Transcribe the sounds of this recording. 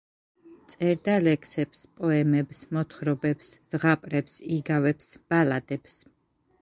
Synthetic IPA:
t̪sʼɛɾd̪alɛkʰsɛpspʼɔɛmɛpsmɔt̪ʰχɾɔbɛpsz̥ʁapʼɾɛpsiɡavɛpsb̥alad̪ɛps

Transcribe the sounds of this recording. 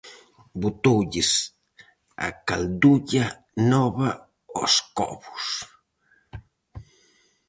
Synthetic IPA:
but̪uʎis | a̰kald̪uʎa | noβa | osko̰βu̥s

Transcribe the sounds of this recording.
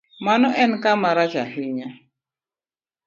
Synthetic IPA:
manɔʔɛnkamaɾat͡ʃaɦiɲa

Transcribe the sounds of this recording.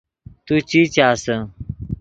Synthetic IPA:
t̪ut͡ɕit͡ɕaːsə

